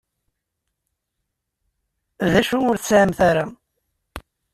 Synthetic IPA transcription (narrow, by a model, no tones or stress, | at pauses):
ðæʃuʊɾθəsʕəmθaɾa